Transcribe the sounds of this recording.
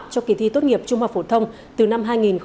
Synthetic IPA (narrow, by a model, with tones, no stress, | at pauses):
t͡ɕɔ˧ki˧˩t̪ʰḭ˧˨t̪o˦˥t̚ŋi˨˩əp̚t͡ɕʊ˧ŋ͡mha˨˩k̚fo˧˩t̪ʰə˧wŋ͡m | t̪ɨ˨˩na˧mɦaː˧jŋi˨˩nx